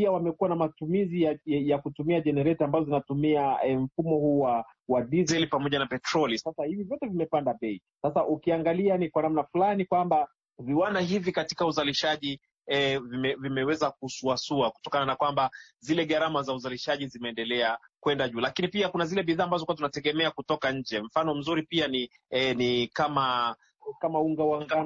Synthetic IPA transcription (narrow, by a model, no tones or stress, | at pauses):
piawamɛkuwanamatumiziajakutumiaʄɛnɛɾɛtambazɔzinatumiaɛm̩fumɔhuːwawadizɛlipamɔʄanapɛtɾɔlisasahivivjɔtɛvimɛpandaɓɛi | sasaʔukiaŋɡalianikwanamnafulanikwamba | viwandaɦivikati̥kauzaliʃaʄi | ɛvimɛvimɛwɛzak̚usuasuaku̥tɔkananakwamba | zilɛɠaɾamazauzaliʃaʄizimɛːndɛlɛa | kwɛndaʄuːlakinipiakunazilɛɓiðaːmbazɔkuat̬unatɛɠɛmɛakutɔkaɲ̩d͡ʒɛm̩fanɔm̩zuɾipiani | nikama | kamauŋɡawaŋɡa